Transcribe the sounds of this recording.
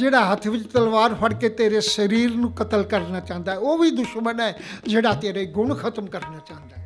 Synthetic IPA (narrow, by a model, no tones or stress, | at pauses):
d͡ʒeːɽaːɦət̪ʰʋɪt͡ʃt̪əlʋaːɾfəɽkeːt̪eːɾeːsəɾiːɾnũːkət̪əlkəɾnaːt͡ʃãːnd̪aːɦɛoːʋiːd̪ʊʃmənɛːd͡ʒeːɽaːt̪eːɾaːiɡʊɳkʰət̪əmkəɾnaːt͡ʃãːnd̪aːɦɛ